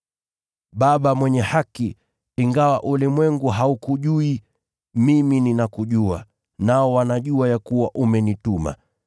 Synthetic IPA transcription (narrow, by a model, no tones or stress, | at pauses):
ɓaɓamwɛɲɛhaki | iŋɡawaʔulimwɛŋɡuɦaukuʄui | mimininakuʄua | naɔwanaʄuajakuwaʔumɛnituma̰